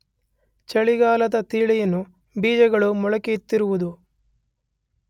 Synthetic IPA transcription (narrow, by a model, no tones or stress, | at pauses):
t͡ʃɐɭiɡaːlɐt̪ɐt̪iːɭɐjɐnu | biːd͡ʒɐɡɐɭumɔɭɐkit̪ːiɾuʋud̪u